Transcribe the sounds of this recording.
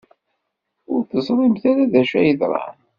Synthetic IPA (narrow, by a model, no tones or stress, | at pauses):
ʊɾθəzˤɾˤimθaɾæðæʃæjəðɾˤɑ̰n